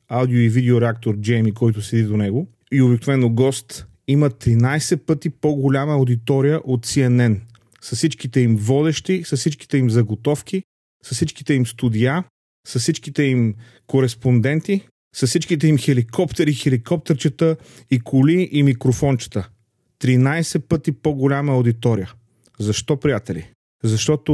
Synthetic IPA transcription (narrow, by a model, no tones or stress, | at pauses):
awd̪ioivid̪ɛoɾɛak̚t̪oɾd͡ʒɛɛmikɔjt̪ʊsɛd̪id̪onɛɡo | iobiknovɛnːoɡɔst̪ | imət̪ɾinajsɛpɤt̪ipoɡolʲaməʊd̪it̪ɔɾijəʔot̪siɛnɛn | sɐssit͡ʃkit̪ɛimvɔd̪ɛʃt̪isɐssit͡ʃki̥t̪ɛimzɐɡot̪ɔfk̟i | sɐsit͡ʃki̥t̪ɛimst̪ud̪ija | sɐssit͡ʃkit̪ɛim | koɾɛspond̪ɛnt̪i | sɐssit͡ʃkit̪ɛimxɛlikʰɔpt̪ɛɾixɛlikɔp̚t̪ɛɾt͡ʃət̪ə | ikʰʊliʔimikɾofɔnt͡ʃə̥t̪ə | t̪ɾinajsɛpɤt̪ipoɡʊlʲaməʊd̪it̪ɔɾijə | zɐʃt̪ɔpɾijat̪ɛlḭ | zɐʃt̪ɔt̪ʊ